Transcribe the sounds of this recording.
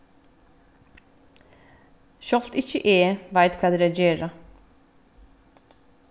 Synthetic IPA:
ʃɔlt̪ɪçəʔeːʋæɪt̪kʰɑːd̪eːɾed͡ʒeːɾə

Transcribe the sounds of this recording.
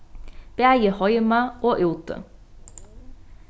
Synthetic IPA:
b̥eæjəhɔʏmɑʔoːʔʉːt̪ə̰

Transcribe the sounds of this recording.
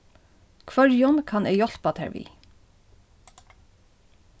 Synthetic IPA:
kʰʋœɹjɔnkʰɑnʔeɪjɔɬpɑt̪ʰæ̰ʋḭː

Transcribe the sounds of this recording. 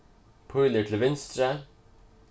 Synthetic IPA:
pʰɔʏləʈʰl̩ʋɪnst̪ɾə

